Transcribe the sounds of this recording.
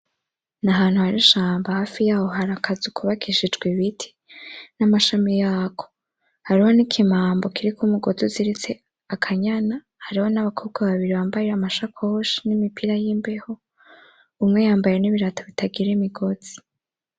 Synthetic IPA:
naɦaːnhuhaɾiʃaːmbahaːfijaːho̞ɦaɾakʰazukʰuβakʰiʃid͡ʒɡweβitʰi̥ | namaʃamijaːkʰo̥ | haɾiho̞nikʰimaːmbo̞kiɾikumuɡo̞zuziɾit͡se̞ | akʰaɲana | haɾiho̞naβakʰoːb̚ɡaβaβiɾiβaːmbajeamaʃakʰoʃinimipiɾajimbeho̞ | umŋe̞jaːmbaje̞niβiɾataβitaɡiɾemiɡo̞z̥i̥

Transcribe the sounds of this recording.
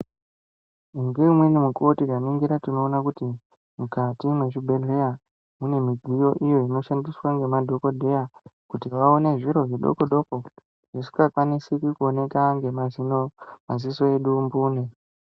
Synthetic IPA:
iŋɡeimwenimukotiɡamiŋɡiɾatino̞ːnakuti | mukatimwe̞t͡ʃibʱe̞ɮe̞ja | mune̞miɡʱijo̞ʔijo̞ino̞ʃandiswaŋɡe̞madʱo̞ko̞dʱe̞jakutiʋaone̞ʐiɾo̞ʐiɗo̞̰ko̞ɗo̞ko̞ | ʐ̥isi̥kakwanisikikuone̞kaŋɡe̞mazinomaziso̞e̞ɗumbuːne

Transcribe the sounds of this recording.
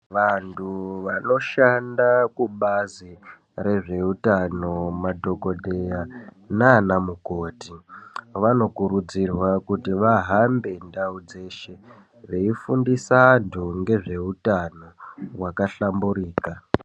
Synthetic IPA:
ʋantʰuʋano̞ʃandakuɓazi | re̞ʐe̞utano̞madʱo̞ko̞dʱe̞ja | naːnamukoːtiʋano̞kuɾud͡zirwakutiʋaɦambe̞ndaud͡ze̞ːʃe̞ | ʋe̞ifundisaantʰuŋɡe̞ʐe̞utano̞wakaɬambuɾiːka

